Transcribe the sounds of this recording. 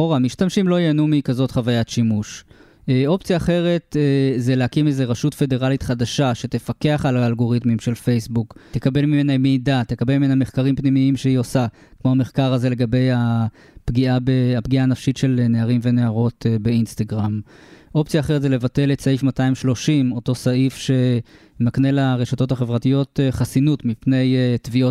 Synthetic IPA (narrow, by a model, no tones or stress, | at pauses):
oʁamiʃtamʃimlo̞jenumikazo̞tχavajatʃimuʃ | eo̞pt͡sjaːχe̞ʁe̞tzelehakimezeʁaʃutfe̞de̞ʁalitχadaʃaʃet̪efake̞aχalaːlɡo̞ʁitmimʃe̞lfe̞jsbukt̪ekabe̞lmime̞nameːdat̪ekabelmimenameχkaʁimpnimiimʃeio̞sa | kmo̞ame̞χkaʁaze̞le̞ɡabe̞ja | pɡiabeapɡiaːnafʃitʃe̞lneaʁimve̞neaʁo̞tbe̞instaɡʁam | ʔo̞p̚t͡sjaːχeʁetzele̞vate̞letsaifmataimʃlo̞ʃimo̞to̞saifʃe̞ | maknelaʁe̞ʃato̞thaχe̞vʁatijo̞tχasinutmipne̞jtvio